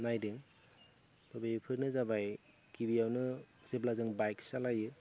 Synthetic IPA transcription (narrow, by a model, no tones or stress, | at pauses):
najdɯŋ | tɔbepʰɯɾnɯzabaj | kibijawnɯz̥eblazɯŋbajksalajɯ